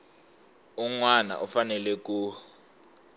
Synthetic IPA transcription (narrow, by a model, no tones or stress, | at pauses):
uŋwana̰ʔufanɛlɛk̬ʼu